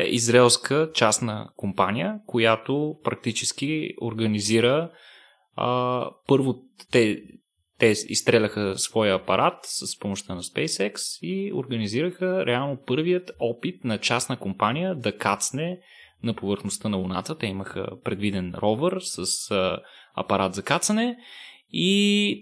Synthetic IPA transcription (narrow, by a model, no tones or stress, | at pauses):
izɾɛlˠskʰət͡ʃasnə̰kompanijə̰kojat̪opɾɐk̚t̪it͡ʃɛsk̟io̰ɾɡəniziɾə | pɤɾvo | t̪ɛ | t̪ɛḭst̪ɾɛlʲəxəsvɔjəːpɐɾʔat̪səspomoʃt̪ənɐspɛjsɛksio̰ɾɡəniziɾəxəɾʔɛalˠnopɤɾvijət̪ɔpit̪̚nɐt͡ʃasnəkompanijəd̪ɐkat̪snɛ | nɐpovəɾxnost̪ənɐvona̰t̪ət̪ɛiməxə̰pɾɛd̪vid̪ɛnɾɔvəɾsəs | ɐ̰pɐɾat̪zɐkat̪sənɛ | i